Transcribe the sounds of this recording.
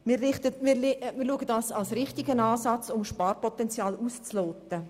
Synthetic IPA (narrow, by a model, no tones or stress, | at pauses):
mɪrɪχtəmɾmɪɾluəɡədɑːsɑlsɾɪχtɪɡənɑːsɑt͡sʊmʃpɑːrpɔt̪ɛnt͡sjɑːlust͡sloːt̪ə